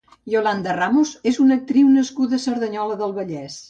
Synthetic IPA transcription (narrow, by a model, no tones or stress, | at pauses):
joland̪əramuzezunək̚t̪ɾiwnəskuðəsəɾðəɲɔləðəlˠβəʎɛs